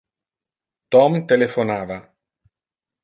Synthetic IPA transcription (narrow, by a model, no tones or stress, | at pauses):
t̪ɔmt̪elefonaːva